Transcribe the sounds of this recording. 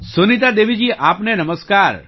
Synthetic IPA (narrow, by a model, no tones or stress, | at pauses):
sunit̪ad̪eʋid͡ʒiʔapnenəməskaɾ